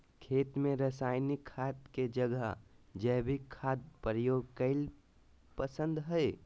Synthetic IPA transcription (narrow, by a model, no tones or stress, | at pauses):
kʰeːt̪mẽɾəsaːɪnikʰːaːt̪ked͡ʒəɡəɦd͡ʒəɦbʱikʰːaːt̪̚pəɾəjoːɡkəɪl | pəsə̃nd̪ɦəe